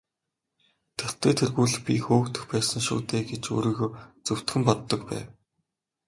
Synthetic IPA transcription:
t̪ʰɵr̥t̪ʰeːt̪ʰerɣuːɮɘ̆xpʲixoːkt̪ɘ̆xpæːsə̆ŋʃʊ̰ːt̪eːɡet͡ɕɵ̰ːɾiːɣoːt͡sɵw̥t̪xɘ̆mpɔt̪ːɞ̆kpæ̰ːw

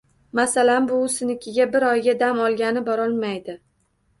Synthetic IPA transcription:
masalanbʊsɪnɪkʲʰɪɡʲabɪɾɒjɡʲad̪amɒlˠɡʲanɪbɒɾɒlˠmajd̪ɪ

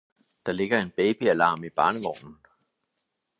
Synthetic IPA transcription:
d̥ɑ̈le̝ɡ̥ɐe̝nb̥ɛːb̥iælɑ̰̈ːmib̥ɑ̈ːnəʋɒ̰ːnn̩

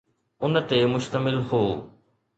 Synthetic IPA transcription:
ʊnət̪emʊʃt̪əmɪlɦoː

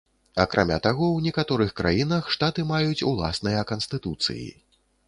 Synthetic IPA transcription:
ɐkɾʔa̰mʲa̰t̪aɣɔwnʲɛkat̪ɔɾɨxkɾa̰jinɐxʂt̪at̪ɨmajut͡sʲulˠa̰snɨjɐkɐnst̪ɨt̪ut̪sɨ̰jḭ

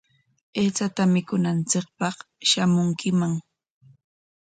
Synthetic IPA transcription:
eːt͡sat̪amɪkʊnant͡sɪk̚pɑχʃamʊŋkɪmaŋ

